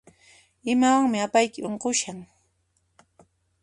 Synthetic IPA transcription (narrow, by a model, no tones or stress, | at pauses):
ɪmawaŋmɪapajkɪʔoɴqoʃaŋ